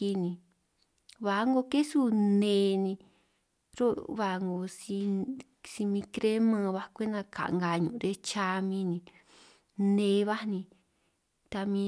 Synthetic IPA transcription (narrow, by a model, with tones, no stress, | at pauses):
i˧nĩ˧ | βa˨˦ŋɡo˧ke˦su˦nẽ˨˧˦nĩ˧ | ɾo˦βa˧ŋɡo˧si˧ | si˧mĩ˧kɾe˦mã˧βa˧kʷe˦nã˧ka̰˨ʔŋɡa˧ɲũ˨˧ɾe˦t͡ʃa˧mĩ˧nĩ˧ | nẽ˧βa˦˧nĩ˧ | t̪a˧mĩ˧